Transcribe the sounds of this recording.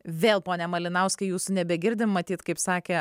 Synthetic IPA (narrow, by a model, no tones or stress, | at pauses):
ʋʲeːlˠpoːnʲɛmɐlʲɪnɐʊsʲkɐɪjuːsʊnʲɛbʲɛɡʲɪɾʲd̪ʲɪmmɐt̪ʲiːt̪kɐɪpsɑːkʲe